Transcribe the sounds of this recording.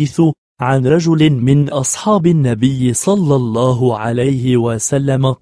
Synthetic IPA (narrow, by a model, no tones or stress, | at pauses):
θʊ | ʕanɾˤɑd͡ʒʊlɪmɪnʔɑsˤħɑːbɪnːabɪjːɪsˤɑlːɑlˤːɑːɦʊʕalajhɪwasalːama